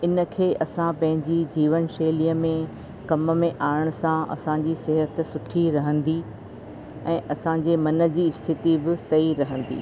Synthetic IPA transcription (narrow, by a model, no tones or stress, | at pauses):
ɪnə̆kʰeːʔɐsãpɐ̃ɦɪ̃ɲd͡ʑid͡ʑiːʋənʃeːliəmẽ | kɐmə̆mẽʔaːɪɽ̃ʊsãʔɐ̰sãɲd͡ʑisɪɦət̪sʊʈʰiɾɐɦə̃nd̪i | ɛ̃ːʔɐsãd͡ʑeːmɐnə̆d͡ʑiɪst̪ʰɪt̪ibɪsɐiɾɐɦə̃n̆d̪ḭː